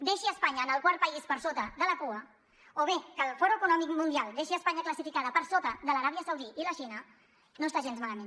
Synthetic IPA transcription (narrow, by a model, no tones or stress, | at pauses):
d̪eʃiəspaɲəːnəlˠkwaɾt̪̚pəispəɾsot̪əðələkuə | oβekəːlˠfɔɾuəkunɔmikmunialˠd̪eʃiəspaɲəkləsifikaðəpəɾsot̪əðələɾaβiəsəwðiʔiləʃinə | nost̪aʒenzmaləmẽn